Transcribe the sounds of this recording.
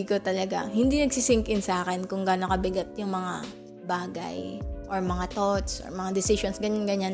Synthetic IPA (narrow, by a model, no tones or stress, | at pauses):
kot̪ɐlɐɡa̰hɪnd̪iːnɐɡsisɪŋkɪnsaːkɛnkʊŋɡaːnokɐbɪɡɐt̪̚jʊŋmɐŋa | baːɡɐ̰jʔoɹmɐŋat̪ot̪sʔɔ̰ɹmɐŋad̪ɪsɪʃonsɡɐɲanɡɐɲan